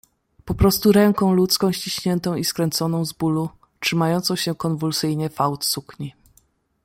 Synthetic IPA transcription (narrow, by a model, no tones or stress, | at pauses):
pɔpɾɔst̪uɾɛŋkɔ̃w̃lut̪skɔ̃w̃ɕt͡ɕiɕɲɛnt̪ɔ̃w̃iskɾɛnt̪sɔnɔ̃w̃zbulu | tʂɘmajɔnt̪sɔ̃w̃ɕɛkɔnvulsɘjɲɛfawt̪sukɲi